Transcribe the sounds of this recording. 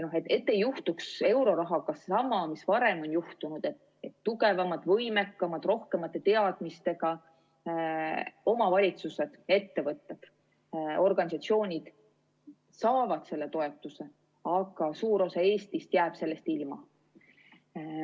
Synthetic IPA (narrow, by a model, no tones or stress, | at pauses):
noɦet̪ːet̪ːe̞juht̪ukse̞wɾo̞ɾɑɦɑkɑssɑmɑmisvɑɾe̞mo̞njuht̪unud̪̥et̪ | et̪ːuɡe̞vɑmɑd̪̥vɤ̞jmekːɑmɑd̪̥ro̞hke̞mɑt̪ːˑe̞t̪e̞ɑd̪̥mist̪e̞ɡ̥ɑ | o̞mɑvɑlʲit̪suse̞d̪̥e̞t̪ːe̞vɤt̪ːed̪̥ | o̞rɡ̥ɑnis̬ɑt̪sio̞ːnʲid̪̥ | sɑːvɑd̪̥se̞lːe̞t̪o̞e̞t̪ːˑuse̞ | ɑɡɑsuːɾosɑe̞ːst̪ist̪jæːb̥se̞lːe̞st̪ilmɑ